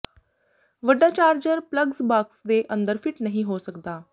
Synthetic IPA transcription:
ʋəɖat͡ɕaːɾd͡ʑəɾpləɡsbaksd̪eʔənd̪əɾfɪʈnəɦĩɦosəkt̪aː

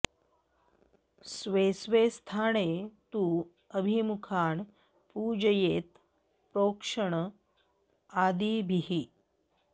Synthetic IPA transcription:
sʋesʋest̪ʰaɽet̪uː | əbʱimukʰaɳ | pud͡ʑəjeːt̪ | pɾokʂəɳ | ad̪ibʱiɦi

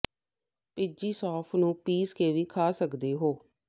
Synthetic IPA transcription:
pɪd͡ʒiːsɔːpʰnũːpiːskeːʋiːkʰaːsəkd̪eːɦoː

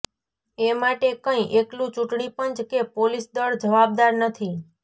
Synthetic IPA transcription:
emaʈekə̃ĩʔeklũt͡ʃũʈɳipənt͡ʃkepolisd̪əɭd͡ʒəʋab̚d̪aɾnət̪ʰi

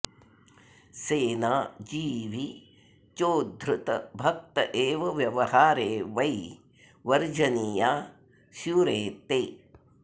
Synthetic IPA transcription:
seːnaːd͡ʒiːʋi | t͡ʃoːd̪ʱɾʊt̪ɐ̰bʱɐk̚t̪ɐʔeːʋɐʋjɐʋɐhaːɾeːʋɐi | ʋɐɾd͡ʒɐniːjaː | suɾeːt̪eː

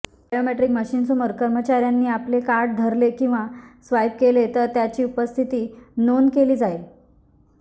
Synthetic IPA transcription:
bajomeʈɾikməɕiːnsuməɾkəɾmət͡ɕaɾjanːiːaplekaɾɽd̪ʱəɾlekĩw̃ʋasʋajp̚kelet̪əɾt̪jat͡ɕiːupəst̪ʰit̪iːnonkeliːd͡zael

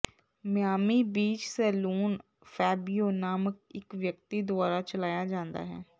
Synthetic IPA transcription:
mɪjaːmiːbiːt͡ʃsɛːluːn | fʰɛːbioːnaːməkɪkʋjək̚t̪id̪ʊaːɾaːt͡ʃəlaːjaːd͡ʒãːnd̪a̰ːɦɛ̰ː

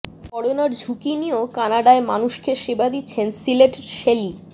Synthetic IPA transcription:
kɔɽonaɾd͡ʑʱukiniokanaɖaemanuʃkeʃebad̪itːɕʰensileʈʃeli

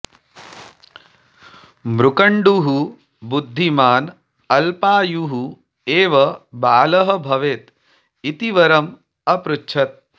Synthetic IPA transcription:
mɾukɐɳɖuɦu | bud̪ʱːimaːn | ɐlpaːjuɦu | eːʋɐbaːlɐɦɐ̆bʱɐʋeːt̪ | it̪iʋɐɾɐm | ɐpɾutːt͡ʃʰɐt̪̚

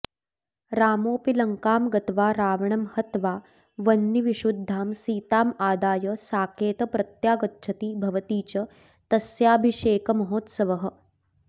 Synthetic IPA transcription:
ɾaːmoːpilɐŋkaːmɡɐt̪ʋaːɾaːʋɐɳɐmhɐt̪ʋaː | ʋɐnːiʋiʃud̪ʱːaːmsiːt̪aːmaːd̪aːjɐsaːkʰeːt̪ɐpɾɐt̪jaːɡɐtːt͡ʃʰɐt̪iːbʱɐʋɐt̪iːt͡ʃɐ | t̪ɐsjaːbʱiʃeːkɐmɐɦoːt̪sɐʋɐɦɐ̆

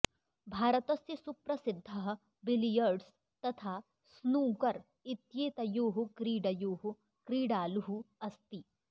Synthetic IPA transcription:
bʱaːɾət̪ɐsjɐsupɾɐsɪd̪ʱːɐɦ | bɪlijəɾɖs | t̪ɐt̪ʰaː | snuːkɐɾ | ɪt̪jeːt̪ɐjoːɦukɾiːɖɐjoːɦu | kɾiːɖaːluɦuɐst̪i

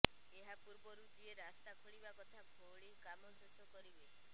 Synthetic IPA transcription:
eɦapuɾbɔɾud͡ʒieɾast̪akʰoɭibakɔt̪ʰabʱoɭikamɔsɔsɔkɔɾibe

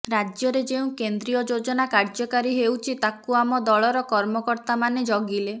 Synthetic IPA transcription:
ɾad͡ʒjɔɾed͡ʒeũkend̪ɾijɔd͡ʒod͡ʒɔnakaɾd͡ʒɔkaɾiɦewt͡ʃʰit̪akuamɔd̪ɔɭɔɾɔkɔɾmɔkɔɾt̪amaned͡ʒɔɡile

